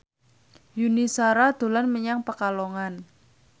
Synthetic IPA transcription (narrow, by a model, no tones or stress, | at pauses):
junisaɾad̪̥o̤lanməɲaŋpəkaloŋan